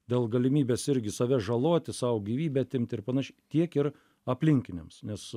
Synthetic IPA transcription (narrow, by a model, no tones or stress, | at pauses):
d̪ʲeːlˠɡɐlʲɪmʲiːbʲeːsɪɾʲɡʲɪsɐʋʲɛʒɐlˠoːt̪ʲɪsɑwɡʲiːʋʲiːbʲɛɐt̪ʲɪmʲt̪ʲɪɾpɐnɐʃʲɛt̪ʲiɛkɪr | ɐpʲlʲɪŋʲkʲɪnʲemsnʲɛs